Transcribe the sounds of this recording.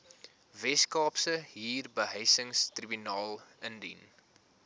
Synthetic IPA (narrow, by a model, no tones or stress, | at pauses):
vɛskɑːpsəɦiːrbəɦəjsəŋstribynɑːlˠəndḭn